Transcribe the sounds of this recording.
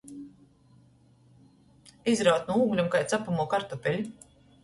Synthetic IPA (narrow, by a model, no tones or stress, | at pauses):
izɾawt̪nuuːɡlʲumkajt̪sapamuɔkaɾt̪ɔpʲɛlʲi